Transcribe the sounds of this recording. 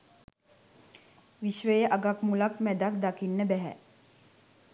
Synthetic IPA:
ʋiʃʋəjəʔaɡakmulakmæd̪akd̪akinːəbɛɦɛ̰

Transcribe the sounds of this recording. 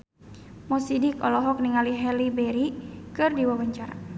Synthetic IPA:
mɔsidikɔ̰lɔɦɔk̚niŋaliɦɛlibɛɾikɨrdiwawaɲt͡ʃaɾa̰

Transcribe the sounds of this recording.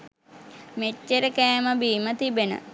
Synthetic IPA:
met͡ʃːeɾəkɛːməbiːmət̪ibenə̰

